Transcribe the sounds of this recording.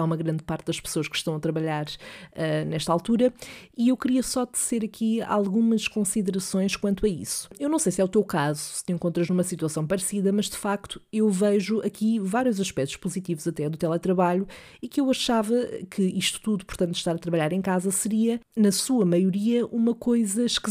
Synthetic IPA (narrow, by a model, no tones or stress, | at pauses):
aumɐɣɾɐ̃nd̪̚paɾt̪̚d̪ɐʃpɨ̥soɐʃkʃt̪ɐ̃w̃ɐt̪ɾɐβɐʎaɾɛnɛʃt̪alˠt̪uɾɐiewkɾiɐsɔd̪ɨz̥eɾɐkʰia̰lˠɣumɐʃkõsiðɨɾɐsõj̃ʃkwɐ̃nt̪wɐḭsu̥ewnɐ̃w̃sejsɛut̪ewkazusɨ̥t̪ẽŋkõnt̪ɾɐʒnumɐsit̪wɐsɐ̃w̃pɐɾsiðɐmɐʒd̪ɨfak̚t̪u̥ewvɛʒuɐkivaɾjuzɐʃpɛk̚t̪u̥ʃpuzit̪ivuzɐt̪ɛðut̪ɛlˠɛt̪ɾɐβaʎu | ikewɐʃavɐ̰kʰɨiʃt̪u̥t̪uðupuɾt̪ɐ̃nt̪ːʃt̪aɾɐt̪ɾɐβɐʎaɾẽj̃kazɐsɨɾiɐnɐsuɐmɐjuɾiɐʔumɐkojzɐʃk